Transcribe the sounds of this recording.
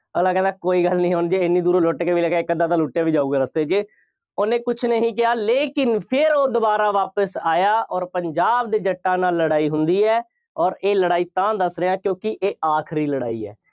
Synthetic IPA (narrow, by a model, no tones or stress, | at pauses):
əɡlãːkɛ̃nd̪aːkoːiːɡəlnĩːɦoːnd͡ʒeɪnːĩːd̪uːɾoːloːʈːkeːʋiːlɛːkːkːəd̪ãːt̪ãːlʊːʈːjaːʋiːd͡ʒaːuːɡaːɾəst̪eːd͡ʒeː | oːnẽːkʊt͡ʃʰnəɦĩːk̬ɪɦaːleːkɪnpʰɪɾoːd̪ʊbaːɾaːʋaːpəsaːjaːʔɔːɾpəɲd͡ʒaːb̚d̪eːd͡ʒəʈːaːnaːlːəɽaːiːɦʊnd̪iːɛː | ɔːɾeːləɽaːiːt̪ãːd̪əsɾeːãːkjõːkɪʔeːaːkʰɾiːləɽa̰ːḭːɛ̰ː